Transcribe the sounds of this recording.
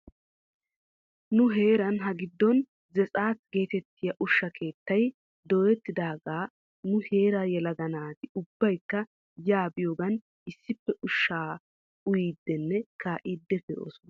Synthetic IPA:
nʊɦe̞ːɾɐnɦɐɡɪd̪ːɔn | zɛt͡sʼaːtɡe̞ːt̪ɛt̪ːɪjɐʔʊʃːɐkʰe̞ːt̪ːɐj | d̪ɔːɛt̪ːɪd̪aːɡaː | nʊhe̞ːɾaːjɛlɐɡ̪ɐnaːt̪ɪʊbːɐjkːɐ | jaːbɪjoːɡɐn | ɪsːɪpːɛʔʊʃːaː | ʊjiːd̪ːɛnːɛkʰaːʔɪːd̪ːɛfɛo̰ːsɔn

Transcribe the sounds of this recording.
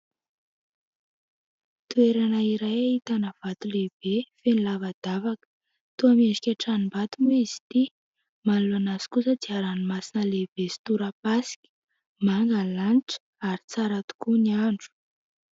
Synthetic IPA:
t̪ueɾanaiɾajait̪anəv̥at̪uleb̥efenilavad̪̥avakə̥ | t̪uameɖ͡ʐikʲaʈ͡ʂanimbat̪uneizi̥t̪i | maluanaz̥i̥kusəd͡z̪iaɾanimasinəleb̥est̪uɾapasi̥kʲi̥ | maŋɡalanʈ͡ʂə̥ | aɾit͡saɾat̪u̥kuniaɳɖ͡ʐu̥

